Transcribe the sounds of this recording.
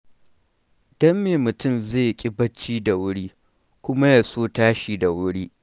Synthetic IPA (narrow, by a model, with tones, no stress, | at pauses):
dɐ˦mːeː˨mʊ˨tʊ˦˨mzeː˦˨jkʲʼɪ˦bɐ˦t͡ʃːiː˦da˨wʊ˦ɽiː˦ | kʷʊ˦ma˦ja˨soː˦taː˦ʃiː˨da˨wʊ˦ɽiː˦ʔ